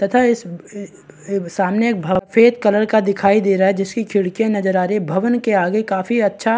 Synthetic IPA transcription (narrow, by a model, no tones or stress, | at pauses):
t̪ɐt̪ʰaɪs | saːmneeːk̚bʱɐfʰeːt̪kɐləɾkad̪ɪkʰaːid̪eːɾaɦɛd͡ʒɪskikʰɪɽkijẽnɐd͡ʒəɾaːɾbʱɐʋənkeaːɡekaːfiɐtːʃʰa